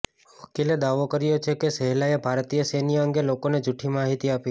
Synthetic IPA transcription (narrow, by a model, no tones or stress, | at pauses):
ʋəkiled̪aʋokəɾijot͡ʃʰekesɛɦlaebʱaɾt̪ijəsenijəŋɡelokoned͡ʒuʈʰimaɦit̪iapi